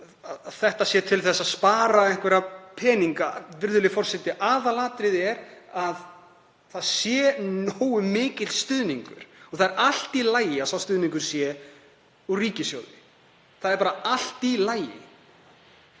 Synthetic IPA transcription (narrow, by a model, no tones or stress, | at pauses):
aðaðθɛht̪asjɛːt̪ʰɪlθɛsːaðspaːɾaɛŋkvɛɾapʰɛːniŋkavɪɾðʏlɪfɔr̥sɛht̪ɪʔaːðalaːt̪ɾɪðɛɾað | θaðsjɛnoːwʏmɪːcɪt̪st̪ʏðniŋkʏ̰ɾ̥ɔθaðɛɾal̥t̪ilaːjɪaðθawst̪ʏðniŋkʏɾ̥sjɛ | uriːcɪsjoːwðɪ | θaðɛɾpaːɾaal̥t̪ilaːjɪ̰